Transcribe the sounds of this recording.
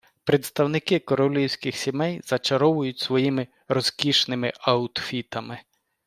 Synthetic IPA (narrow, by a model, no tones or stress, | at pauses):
pɾet̪st̪ɐwnɪkɪkɔɾɔlʲiwsʲkɪxsʲimɛjzɐt͡ʃɐɾɔʋʊjʊtʲsʋɔjimɪ | ɾɔzkʲiʃnɪmɪʔɐʊt̪fʲit̪ɐmɪ